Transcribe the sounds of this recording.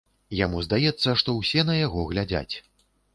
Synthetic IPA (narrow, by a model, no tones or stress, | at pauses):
jamuzd̪ajɛt̪sːɐʂt̪ɔwsʲɛnɐjaɣɔɣlʲad͡zʲa̰t͡sʲ